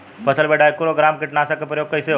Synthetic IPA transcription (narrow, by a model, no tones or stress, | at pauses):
pɐsəlbeːɖaːjkʊɾoɡɾaːmkɪʈnaːsakepɾəjoːɡ̚kɐise